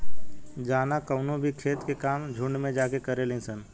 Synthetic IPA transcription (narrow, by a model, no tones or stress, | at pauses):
d͡ʒaːnakəʊnõbʱikʰeːt̪kekaːmd͡ʒʱʊ̃ɳɖmẽd͡ʒaːkekɐɾelẽːsən